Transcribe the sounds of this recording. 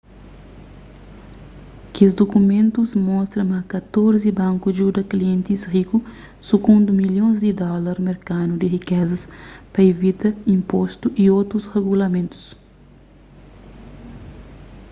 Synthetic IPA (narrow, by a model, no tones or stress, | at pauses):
kzd̪okumẽnt̪uzmɔst̪ɾɐmɐkɐt̪oɾzibãŋkud͡ʒud̪ɐkliẽnt̪isriku | suɡũnd̪umiljõzd̪id̪ɔlɐɾmeɾkanud̪iɦikɛzɐspɐevit̪ɐĩmpost̪uʔiot̪ɾusheɡulɐmẽnt̪u̥s